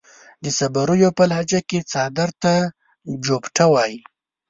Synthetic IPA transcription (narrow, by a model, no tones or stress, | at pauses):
d̪əsabaɾujopəlhad͡ʒaket͡sɑd̪aɾt̪a | d͡ʒopʈʰawaj